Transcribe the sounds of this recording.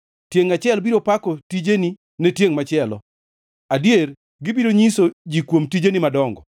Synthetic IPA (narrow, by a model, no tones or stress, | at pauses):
tjeŋat͡ʃɪɛlbiɾopakɔtid͡ʒeni | netjeŋmat͡ʃɪɛlɔ̰ | adjer | ɡɪbiɾoɲisod͡ʒikwomtid͡ʒenimadɔŋɡɔ